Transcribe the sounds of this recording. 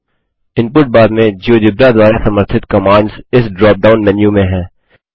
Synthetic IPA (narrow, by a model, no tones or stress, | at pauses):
ɪ̃npʊɾʈ̚baːd̪mẽd͡ʒiod͡ʒɪbɾad̪waːɾasɐməɾt̪ʰɪt̪kɐmãːɳɖzɪsɖɾɔːp̚ɖaːʊnmɛnjũmẽɦɛ̃ː